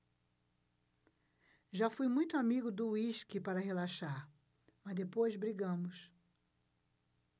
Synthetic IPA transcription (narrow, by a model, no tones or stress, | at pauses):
ʒafujmũj̃t̪ʊamiɡʊd̪ʊwiʃkɪpaɾɐɦelaʃaɾ | mɐzd̪epojzbɾiɡɐ̃mʊs